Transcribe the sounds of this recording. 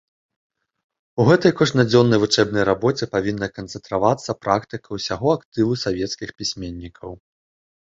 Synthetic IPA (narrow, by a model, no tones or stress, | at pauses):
uɣɛt̪ɐjkɔʐnɐd͡zʲɔnːɐjvut͡ʂɛbnɐjɾabɔt͡sʲɛpavʲinːɐkɐnt̪sɛnt̪ɾavat̪sːɐpɾʔakt̪ɨkʰɐwsʲaɣɔakt̪ɨvusavʲɛt̪skʲixpʲisʲmʲenʲːikʰɐw